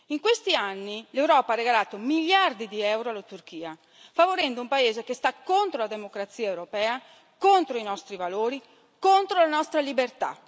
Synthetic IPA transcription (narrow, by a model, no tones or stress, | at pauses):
iŋkwest̪ianːilewɾɔːpaarːeɡalaːt̪omiʎːard̪id̪iɛwɾoalːat̪urk̟iːa | favoɾɛnd̪oumpaeːzekest̪akːont̪ɾolad̪emokɾat̪siːaewɾopɛːa | kont̪ɾoinɔst̪ɾivaloːɾi | kont̪ɾolanɔst̪ɾalibert̪a̰